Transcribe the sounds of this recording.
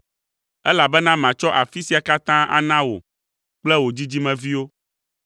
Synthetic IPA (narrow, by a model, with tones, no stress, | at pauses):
ɛ˦la˨bɛ˦nã˦mã˨t͡ʃɔ˦ʔa˨fi˦si˨a˨ka˦t̪ã˦ʔa̰˨nã˦wo̰˨ | k͡plɛ˦wo˨d͡ʑi˦d͡ʑi˦mɛ̃˨vi˦wo˦